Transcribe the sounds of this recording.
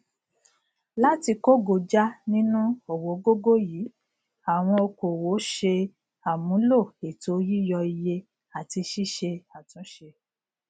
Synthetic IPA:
la˦ti˧ko˦ɡo˨d͡ʒa˦nĩ˦nũ˦o˨wo˨˦ɡo˦ɡo˦ji˨˦ | a˨w̃ɔ̃˧o˧ko˨wo˨˦ʃe˧ | a˨mũ˨˦lo˦˨e˨to˨˦ji˦jɔ˧i˧je˧ | a˨ti˧ʃi˦ʃe˧a˨tũ˨˦ʃe˧

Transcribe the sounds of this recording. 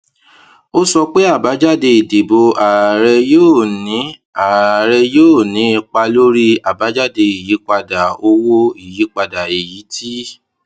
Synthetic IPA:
o˦sɔ˧k͡pe˦a˦˨ba˨˦d͡ʒa˦˨de˧i˨de˨bo˧a˨ɾɛ˧joː˦˨nĩ˨˦ | a˨ɾɛ˧joː˦˨nĩ˨˦i˧k͡pa˧lo˦ɾi˦a˨ba˨˦d͡ʒa˦˨de˧i˨ji˨˦k͡pa˧da˨o˧wo˦i˦˨ji˨˦k͡pa˧da˨i˨ji˨˦ti˦

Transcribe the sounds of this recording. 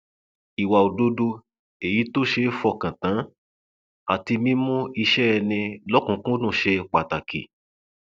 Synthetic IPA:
i˨wa˨o˨do˧do˧ | e˨ji˨˦to˦˨ʃe˧fɔ˦˨kã˨tã˨˦ | a˨ti˧mĩ˦mũ˦i˧ʃɛ˦ɛ˧nĩ˧lɔ˦kũ˨˧˦kũ˦o˦nũ˦˨ʃe˧k͡pa˨ta˨kḭ˨

